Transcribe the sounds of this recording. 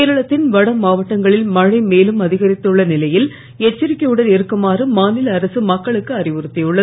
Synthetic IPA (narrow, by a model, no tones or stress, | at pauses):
eːɾɐɭɐt̪ːɪnʋɐɽɐmaːʋɐʈːɐŋɡɐɭɪlmɐɻɐɪmeːlɯmɐðɪɣɐɾɪt̪ːɯɭːɐnɪlɐjɪl | ɛt͡ʃːɪɾɪkːɐjɯɽɐnɛɾɯkːɯmaːrɯmaːnɪlɐːɾɐsɯmɐkːɐɭɯkːɯɐrɪʋɯɾɯt̪ːɪjɯɭːɐ